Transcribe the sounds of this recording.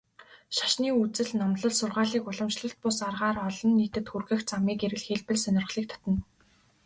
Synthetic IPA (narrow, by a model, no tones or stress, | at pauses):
ʃḁʃniːut͡sɘ̆ɮnɔmɮɞ̆ɮsʊrʁaːɮiːkʊɮə̆mʃɮə̆ɬt̪̚pʊsarʁaːrɔɮɞ̆nːiːt̪ɘ̆t̪xurɣɘ̆xt͡samiːkeɾɘ̆ɮxeɮpɘ̆ɮsœnʲɪ̆rʁ̆ɮiːk̚t̪ʰɔ̥t̪ɞ̆n